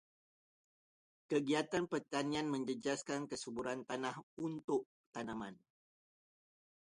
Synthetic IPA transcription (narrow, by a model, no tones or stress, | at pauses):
kəɡiat̪anpərt̪anĩanmə̃ɲd͡ʒəd͡ʒaskankəsubuɾant̪anahunt̪ʊʔ | t̪anãmãn